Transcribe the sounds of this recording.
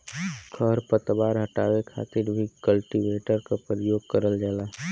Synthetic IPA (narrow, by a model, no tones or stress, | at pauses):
kʰəɾpət̪baːɾɦɐʈaːwekʰa̰ːt̪ɪɾbʱikəlʈiʋeːʈəɾkapɾəjoːɡ̚kəɾəld͡ʒaːlaː